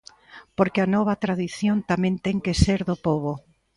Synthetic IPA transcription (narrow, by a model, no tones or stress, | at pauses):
poɾkeanɔβ̞at̪ɾaðiθjont̪amẽnt̪eŋkeseɾðopoβo